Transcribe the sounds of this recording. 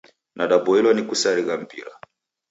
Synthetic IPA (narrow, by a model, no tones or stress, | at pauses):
nʔaɗabɔilwanikusaɾiɣam̩piɾa̰